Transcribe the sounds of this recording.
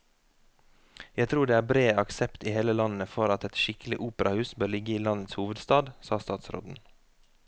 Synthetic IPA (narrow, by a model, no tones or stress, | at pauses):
jæɪt̪ʰɾuːɖeːæːɾbɾeːɑksɛpt̪iːheːləlɑnn̩əfɔɾɑt̪ɛt̪ʃɪklɪʔuːpəɾɑhʉːsbøːɾlɪɡəiːlɑnət̪shuːʋəd̪st̪ɑːd̪sɑːst̪ɑːt̪sɾo̰ːd̪n̩